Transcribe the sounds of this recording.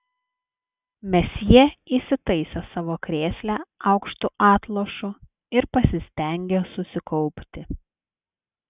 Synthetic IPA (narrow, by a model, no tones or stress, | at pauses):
mʲɛsjiɛisʲɪt̪ɐɪsʲosɑːʋoːkɾʲeːsʲlʲæːɑʊkʃt̪uʔɑːt̪lˠoːʃʊ | ɪɾpɐsʲɪsʲt̪ʲɛˑŋʲɡʲeːsʊsʲɪkɔʊpʲt̪ʲɪ